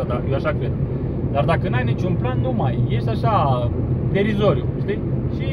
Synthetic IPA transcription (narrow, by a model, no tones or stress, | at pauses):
d̪ajewaʃakɾe̞d̪ | d̪ard̪akənajnit͡ʃunplanːumajːe̞ʃt̪eaʃa | t̪eɾizo̞ɾiuʃt̪ijʃi